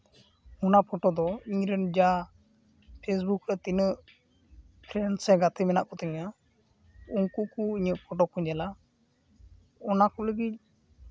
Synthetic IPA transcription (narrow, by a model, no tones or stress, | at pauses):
ɔnapʰɔʈɔd̪ɔiɲɾɛnd͡ʒa | pʰes̬bukɾɛt̪inəʔ | pʰɾɛnsɛɡat̪ʰɛmɛna̰ʔkɔt̪ɛŋa | uŋkuʔkɔiɲəʔpʰɔʈɔkɔd͡ʒɛla | ɔnakɔləɡit̪̚